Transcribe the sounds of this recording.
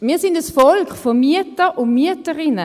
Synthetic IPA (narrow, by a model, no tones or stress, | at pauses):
miːɐsɪndəsfɔlkχfɔmyətəʔʊnmyətəʁɪnə